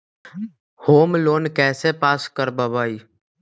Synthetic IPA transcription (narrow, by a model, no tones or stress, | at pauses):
hoːmloːnkɛːsepaːskəɾbəbaːiː